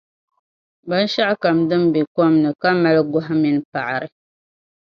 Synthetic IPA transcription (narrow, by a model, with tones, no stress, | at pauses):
ba˦n˦ʃa˦ʔka˨mdɨ˦m˦bi˨kɔ˦mnɨ˨ka˦ma˦lɡʊ˦ɦa˦mi˦n˦pa˨ʔa˨ɾɨ˨